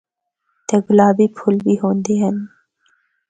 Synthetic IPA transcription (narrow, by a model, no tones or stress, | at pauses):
t̪eːɡʊlaːbipʰʊlbiːɦõːnd̪eːɦən